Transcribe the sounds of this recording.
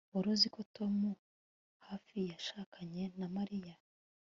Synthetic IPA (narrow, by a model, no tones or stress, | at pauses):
oɾoziko̞to̞mu | haːfijaʃaːkʰaɲe̞namaɾija